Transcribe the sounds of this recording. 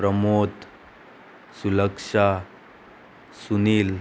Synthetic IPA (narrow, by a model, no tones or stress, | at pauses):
ɾəmot̪ | suləkʂa | suniːl